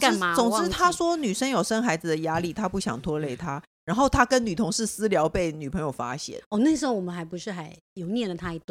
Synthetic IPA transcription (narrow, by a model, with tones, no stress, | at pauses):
ka˥˨˥t͡sʊ˨˩ŋʈ͡ʂɻ̩˥˩t̪ʰa˥swɔ˥ny˨˩ʂə˥njo˨˩ʊʂə˥nxa˧˥ɪd͡z̩˨d̪ə˩ja˥li˥˩t̪ʰa˥pu˥˩ɕjɑ̰˨˩ŋt̪ʰwɔ˥le˥˩ɪt̪ʰa˥ | ɻa˧˥nxo˥˩ʊt̪ʰa˥kə˦˥nny˨˩t̪ʰʊ˧˥ŋʂɻ̩˥˩sɹ̩˥ljɑ˧˥ʊpe˥˩ɪny˨˩pʰɤ˧˥ŋjo˨˩ʊfa̰˥ɕjɛ̰˥˩˦nɔ˥˧ne˥˩ɪʂ̬̩˥xo˧˩wɔ˨˩mə˦nxa˧˥ɪpu˧˥ʂɻ̩˥˩xa˧˥ɪ | jo˨˩ʊnjɛ˥˩nlə˨˩t̪ʰa˥i˨˥˩t̪w